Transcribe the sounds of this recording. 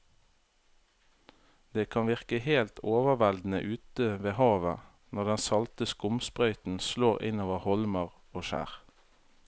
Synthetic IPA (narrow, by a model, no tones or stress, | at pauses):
d̪eːkʰɑnʋɪʁkəheːlt̪ʰoːʋəʋæld̪n̩ə̰ʔʉːt̪əʋeːhɑːʋə | nɔʁd̪ɛnsɑlt̪əskʊmspʁœʏt̪n̩sloːʁɪ̰noːʋəhɔlməʁ | oːʃæ̰ːʁ